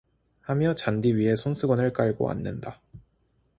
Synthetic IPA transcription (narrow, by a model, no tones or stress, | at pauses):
hamjʌt͡ɕandiɥiɦe̞sʰoŋsʰɯɡʌnɯɭk͈aɭɡo̰a̰nːɯnda